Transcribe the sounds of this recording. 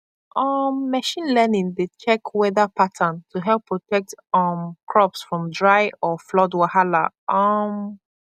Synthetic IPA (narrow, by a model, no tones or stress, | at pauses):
ʔʌmːɛʃĩnlɛnĩŋdet͡ʃɛkwɛðəpʰatʰə̃ntʰuɦɛlˠpʰːɹɔtʰɛk̚tʌmkʰɹɔpsfɹɔ̃mdɹaɪɔflɔdwahala̰ | ʔʌm